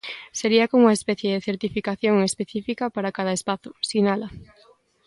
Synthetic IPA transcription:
seɾiɐkomuɐespɛθjeðeθeɾt̪ifikaθjoŋespeθifikɐpaɾakað̞ɐespaθʊsinalɐ

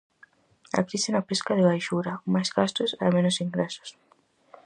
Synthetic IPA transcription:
a̰kɾisɪnapeskaðɪβajʃuɾamajzɣast̪osa̰mẽnosiŋɡɾeso̥s

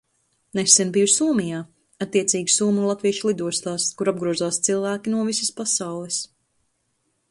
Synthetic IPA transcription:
nɛsɛnbijusuːmijaː | at̪ːiɛt̪siːɡsuːmulˠat̪viɛʃlˠid̪uɔst̪aːskuɾab̚ɡɾuɔzaːst̪silˠvæːkʲinuɔvisəspasawlˠɛs

